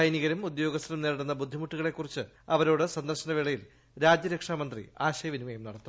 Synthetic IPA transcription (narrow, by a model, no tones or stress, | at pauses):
ɐjniɣɐɾɐmud̪jo̞ːɡɐst̪ɐɾumneːɽunːɐbud̪ʱːimuʈːuɣɐɭe̞kːurit͡ɕːɨ | ɐʋɐɾo̞ːɽɨsɐnd̪ɐrɕɐnɐʋiɭɐjil | ɾaːd͡ʑjɐɾekʂaːmɐnd̪rḭaːɕɐjɐʋinimɐjumnɐɽɐt̪ːu